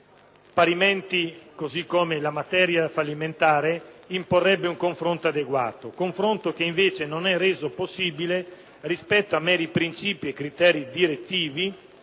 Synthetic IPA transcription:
paɾimɛnt̪ikozikːoːmelamat̪ɛːɾjafalːiment̪aːɾeimporːɛbːeuŋkoɱfɾont̪oad̪eɡwa̰ːt̪okoɱfɾont̪ok̟eiɱveːt͡ʃenonɛreːzoposːiːbile | rispɛt̪ːoamːɛːɾipɾint͡ʃiːpiekːɾit̪ɛːɾid̪iɾet̪ːiːvi

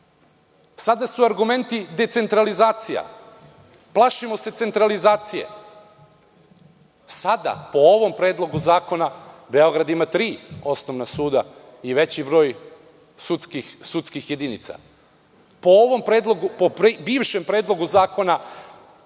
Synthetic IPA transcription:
sad̪asuaɾɡume̞nt̪id̪e̞t̪se̞nt̪ɾalizaːt̪sija̰ | plˠaʃimo̞se̞t̪se̞nt̪ɾalizaːt̪sije̞̰ | sad̪a̰po̞oʋo̞mpɾeːd̪lˠo̞ɡuzaːko̞nabeo̞ɡɾad̪imat̪ɾiːo̞snoʋnasuːd̪a | iʋe̞t͡ɕibɾo̞ːj | sutskisut̪skixje̞d̪inḭt̪sa̰ | pooʋo̞mpɾeːd̪lˠoɡupopɾibiːʋʃempɾeːd̪lˠo̞ɡuzaːko̞na

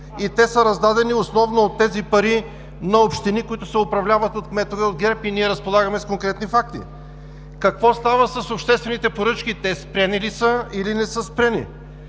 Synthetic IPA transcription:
it̪ɛsəɾɐzd̪ad̪ɛniosnɔvnoot̪ːɛzipɐɾi | nɐopʃt̪inikoit̪ʊsɛopɾɐvlʲavɐt̪ot̪kmɛt̪ovɛod̪ɡɛɾpiniɛɾɐspolˠaɡɐmɛskoŋkɾɛt̪nifak̚t̪ḭ | kɐkvɔst̪avəsɐsopʃt̪ɛst̪vɛnit̪ɛpoɾɤt͡ʃkit̪ɛspɾʲɛnilisəilinɛsəspɾʲɛnḭ

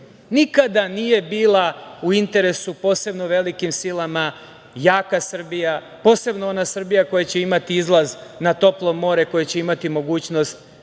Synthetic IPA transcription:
nikad̪anije̞biːlˠauint̪e̞ɾe̞supo̞ːse̞bno̞ʋe̞likimsilˠama | jaːkasr̩bija | po̞ːse̞bno̞o̞nasr̩bijako̞jat͡ɕe̞imat̪iizlˠaznat̪o̞plˠo̞mːo̞ːɾe̞ko̞jet͡ɕe̞imat̪imo̞ɡuːt͡ɕno̞st̪

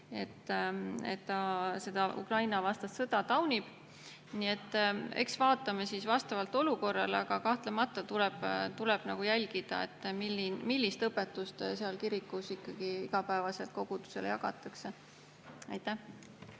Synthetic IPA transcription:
e̞t̪ːe̞t̪ːɑse̞d̪ɑʔṵkrɑjnɑvɑst̪ɑst̪sɤd̪̥ɑt̪ɑwnʲib̥ | nie̞t̪ːˑe̞̰ksvɑːt̪ːˑɑmesisvɑst̪ɑvɑlt̪ːˑo̞luko̞rːɑ̰leɑɡ̥ɑkɑht̪lemɑt̪ːˑɑt̪ulɛb̥t̪ulɛb̥nɑɡ̥ujælʲɡ̥id̪̥ɑ̰e̞̰t̪ːmilːinmilʲːist̪ɤpːet̪ːˑust̪seɑlkiɾikːusikːɑɡ̥iiɡ̥ɑpæevɑse̞lt̪̚ko̞ɡ̥ud̪u̥se̞̰lejɑɡɑ̰t̪ːˑɑkse̞ | ɑjt̪ːæh

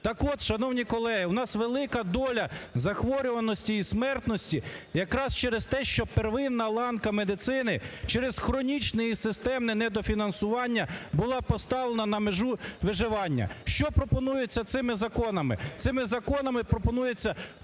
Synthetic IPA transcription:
t̪ɑkɔd̪ʃɐnɔwnʲikɔlˠɛɦɪwnɑsʋelˠɪkɐd̪ɔlʲɐzɐxʋɔɾʲʊʋɐnɔsʲtʲiːsmɛrt̪nɔsʲtʲijɐkɾɑst͡ʃɛɾest̪ɛʃt͡ʃɔperʋɪnːɐlˠɑnkɐmed̪ɪt̪sɪnɪt͡ʃɛɾez̥xɾɔnʲit͡ʃnɛjisɪst̪ɛmnɛnɛd̪ɔfʲinɐnsʊʋɑnʲːɐbʊlˠɑpɔst̪ɑʋlˠenɐnɐmeʒuʋɪʒɪʋɑnʲːɐ̰ʃt͡ʃɔpɾɔpɔnujet͡sʲːɐt̪sɪmɪzɐkɔnɐmɪ̰t̪sɪmɪzɐkɔnɐmɪpɾɔpɔnujet͡sʲːɐ

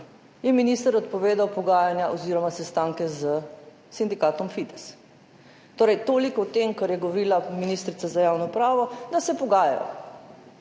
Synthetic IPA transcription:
jɛminiːst̪əɾɔt̪pɔʋeːd̪awpɔɡaːjanjaʔɔziːɾɔmasɛst̪aːŋkɛzə | sind̪ikaːt̪ɔmfit̪ɛ̥s | t̪oːɾɛjt̪oːlikɔwt̪emkɐɾjɛɡɔʋɔɾiːlaminiːst̪ɾit̪sazajaːwnɔpɾaːʋɔd̪asɛpɔɡaːja̰jɔ̰

